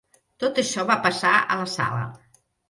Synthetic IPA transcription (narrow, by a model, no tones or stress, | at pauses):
t̪ot̪əʃɔβapəsaə̰ləsa̰lə̰